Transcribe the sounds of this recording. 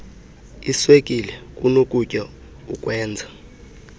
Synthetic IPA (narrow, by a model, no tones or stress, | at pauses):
iswekʼilɛkʼunokʼucʼɔ | ṵkʼwɛːnd͡zʱa